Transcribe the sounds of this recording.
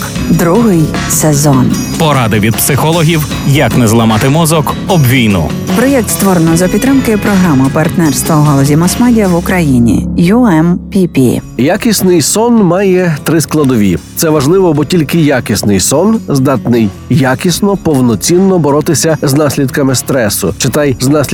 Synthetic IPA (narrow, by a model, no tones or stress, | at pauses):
d̪ɾuɦɪj | sezɔn | pɔɾɑd̪ɪʋʲid̪̚psɪxɔlˠɔɦʲiw | jɐknɛzlˠɐmɑt̪ɪmɔzɔkɔbʋʲijnʊ̰ | bɾɔjɛkt̪st̪ʋɔɾenɔzɐpʲid̪t̪t̪ːɾɪmkɪpɾɔɦɾamɐpɐrt̪nɛrst̪ʋɐuɦɔlˠɔzʲimɔsmadʲijɐwʊkɾɐjinʲḭjuɛmpʲipʲḭjakʲisʲnɪjsɔnmɑjɛt̪ɾɪsklˠɐd̪ɔʋʲḭt̪sɛʋɐʒlˠɪʋɔbɔtʲilʲkɪjakʲisnɪjsɔnzd̪ɑt̪nɪj | jːakʲisnɔpɔwnɔt͡sʲinːɔbɔɾɔt̪ɪsʲɐznɑsʲlʲid̪kɐmɪst̪ɾɛsʊ̰t͡ʃɪt̪ɑjznɑsʲlʲ